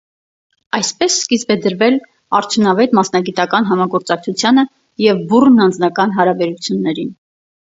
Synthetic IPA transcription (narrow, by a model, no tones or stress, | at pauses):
ɑjspɛsːkizbɛd̪əɾvɛl | ɑɾt͡sʰjunɑvɛt̪mɑsnɑɡit̪ɑkɑnɦɑmɑɡɔɾt͡sɑk̚t͡sʰut͡sʰjɑnə | jɛvburnɑnd͡znɑkɑnɦɑɾɑbɛɾut͡sʰjunːɛɾin